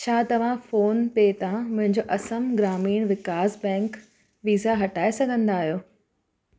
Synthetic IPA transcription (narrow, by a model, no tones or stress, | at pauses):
t͡ɕʰaːt̪ɐʋ̤ãfoːnpeːt̪ãmʊ̃ɦɪ̃ɲd͡ʑoʔɐsəmɡɾaːmiːɽ̃ʋɪkaːzbɛ̃ːŋk | ʋiːzaɦɐʈaːesɐɡʱə̃nd̪aːɦijoː